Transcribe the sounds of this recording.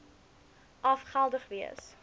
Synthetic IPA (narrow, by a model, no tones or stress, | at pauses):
ʔɑfχælˠdəχviə̰s